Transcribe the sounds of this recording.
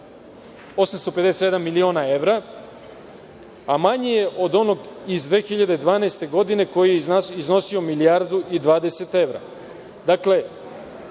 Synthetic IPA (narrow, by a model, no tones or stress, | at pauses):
o̞samst̪o̞pe̞d̪eset̪je̞d̪amːilio̞ːnae̞ʋɾa | amaɲejeʔo̞d̪o̞no̞ɡizd̪ʋe̞ːxiʎad̪e̞d̪ʋaːnaest̪e̞ɡo̞d̪ine̞ko̞jijeasizno̞sio̞milijaɾd̪uʔid̪ʋaːd̪e̞se̞t̪e̞ʋɾa̰ | d̪akle̞